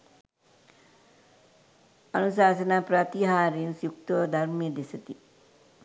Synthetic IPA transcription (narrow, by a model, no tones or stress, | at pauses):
ɐnusaːsɐnapɾɐt̪iɦaːɾinsjuk̚t̪od̪ʱɐɾmijɐd̪isɐt̪i